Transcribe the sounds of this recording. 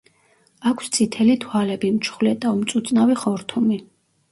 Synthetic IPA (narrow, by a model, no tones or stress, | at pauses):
akʷʰst̪sʰʼit̪ʰɛlit̪ʰwalɛbimt͡ʃʰχwlɛt̪ʼaɔmt̪sʼut̪sʼnaviχɔɾt̪ʰumi